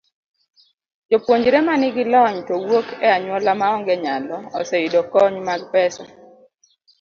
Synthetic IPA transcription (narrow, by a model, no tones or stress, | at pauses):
d͡ʒopwoɲd͡ʒɾɛmanɪɡɪlɔɲtɔwokɛaɲwɔlamaɔŋɡɛɲalɔɔsɛidɔkɔɲmaɡpɛsɔ